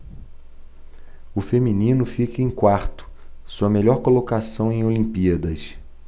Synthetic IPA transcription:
ʊfemĩnĩnʊfikɐẽj̃kwaɾt̪ʊ̥ | suɐmeʎɔɾkolokasɐ̃w̃ẽj̃olĩpiɐd̪ɐs

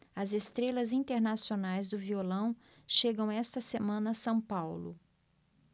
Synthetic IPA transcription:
ɐzest̪ɾelɐzĩnt̪eɾnasionajzd̪ʊviolɐ̃w̃ | ʃeɡɐ̃w̃ɛst̪ɐsemɐ̃nɐsɐ̃w̃pawlʊ̰

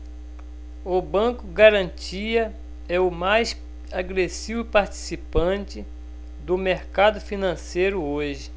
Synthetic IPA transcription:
ʊbɐ̃kʊɡaɾɐ̃t͡ʃiɐ | ɛʊmajs | aɡɾesivʊpaɾt͡ʃi̥sipɐ̃t͡ʃɪ | d̪ʊmeɾkad̪ʊfinɐ̃sejɾʊoʒɪ

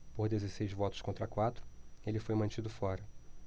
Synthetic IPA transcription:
poɾd̪ezesejzvɔt̪ʊ̥skõnt̪ɾɐkwat̪ɾʊ̥elɪfojmɐ̃t͡ʃid̪ʊfɔɾɐ

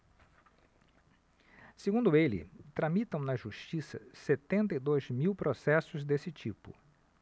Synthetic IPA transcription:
seɡũnd̪ʊelɪ̰t̪ɾamit̪ɐ̃w̃nɐʒuʃt͡ʃisɐ̰set̪ẽnt̪ɐid̪ojzmiwpɾosɛsʊzd̪esɪt͡ʃipʊ̰

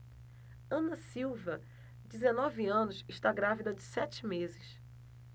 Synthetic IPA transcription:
ɐ̃nɐsiwvɐ | d͡ʒɪzenɔviɐ̃nʊsɪʃt̪aɡɾavid̪ɐd͡ʒɪsɛt͡ʃɪmezɪs

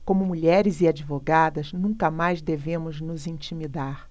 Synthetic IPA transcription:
kõmʊmuʎɛɾɪziad͡ʒivoɡad̪ɐznũŋkɐmajzd̪evẽmʊznʊzĩnt͡ʃimid̪aɾ

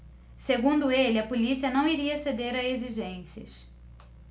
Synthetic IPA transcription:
seɡũnd̪ʊelɪɐpolisiɐnɐ̃w̃iɾiɐsed̪eɾɐeziʒẽsiɐ̰s

